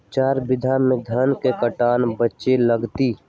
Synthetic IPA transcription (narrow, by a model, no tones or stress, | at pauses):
t͡ʃaːɾbɪd̪ʱamẽd̪ʱənkekəʈaːnbətːʃeləɡt̪iː